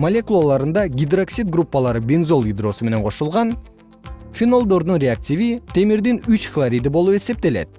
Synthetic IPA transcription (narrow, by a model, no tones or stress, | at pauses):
mɐlʲe̞kulˠalˠɑɾɯnd̪ɑɡʲid̪roksʲit̪̚ɡrupːalˠɑɾɯbʲenzo̞lˠid̪ro̞sɨme̞ne̞nqʰo̞ʃulˠʁɑn | fʲino̞lˠd̪o̞ɾd̪unrʲeak̚tʲivit̪ʰe̞miɾd̪inyt͡ʃflˠaɾʲid̪ɨbo̞lˠue̞se̞p̚t̪e̞le̞̰t̪̚